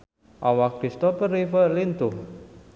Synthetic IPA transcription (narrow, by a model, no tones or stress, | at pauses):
ʔawakɾist̪ɔpəɾifəlint̪ʊh